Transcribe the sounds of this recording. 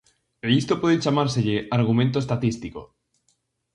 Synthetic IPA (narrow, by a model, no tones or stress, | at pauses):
eist̪opweðet͡ʃamaɾseʎeaɾɣ̞umẽnt̪̬oest̪at̪ist̪iko